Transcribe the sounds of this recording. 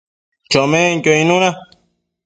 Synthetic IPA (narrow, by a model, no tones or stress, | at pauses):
t͡ʃomẽŋkʲoĩnũnã